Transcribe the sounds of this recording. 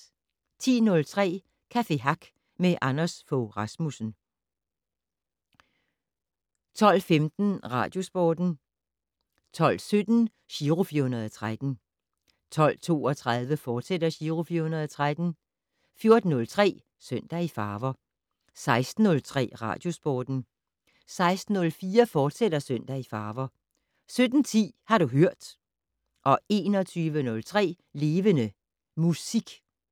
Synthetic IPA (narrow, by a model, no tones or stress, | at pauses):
t͡sʰḭːnɔ̽lt͡sʰʁɛ̰ː | kʰæfe̝ɦɑ̈ɡ̥ | meʔɑnɐsfoʁɑ̈smusn̩ | t͡sʰɒ̽l̰femd̥n̩ʁɑ̰̈ːd̥jo̝sb̥ɔːd̥n̩ | t͡sʰɒ̽l̰sød̥n̩ | ɕiːʁofiɐhunɐð̞ˠɒt͡sʰʁad̥n̩ | t͡sʰɒ̽l̰t͡sʰo̝̰ːɒ̽t͡sʰʁaðˠʋəfɒːd̥sed̥ɐɕiːʁofiɐhunɐðˠɒt͡sʰʁad̥n̩ | fjo̝ɐd̥n̩ːɔ̽lt͡sʰʁɛ̰ː | søn̰d̥æifɑːʋɐ | sɑ̈ɪsd̥n̩ːɔ̽lt͡sʰʁɛ̰ːʁɑ̰̈ːd̥jo̝sb̥ɒːd̥n̩ | sɑ̈ɪsd̥n̩ːɔ̽lfiːɐfɒːd̥sedɐsøn̰d̥æifɑ̈ːʋɐ | sød̥n̩t͡sʰḭːhɑ̈ɾuɦøɐ̰d̥ | ʔɒ̽e̝ːnɒt͡sʰyːʋənɔ̽lt͡sʰʁɛ̰ː | le̝ːʋənə | musiɡ̥